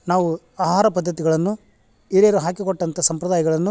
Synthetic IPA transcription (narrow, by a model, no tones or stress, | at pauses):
naːʋu | aːɦaːɾɐpɐd̪ʱːɐt̪iɡɐɭɐnːu | iɾeɾuɦaːkikoʈːɐnt̪ʰɐsɐmpɾɐd̪aːjɐɡɐɭɐnːu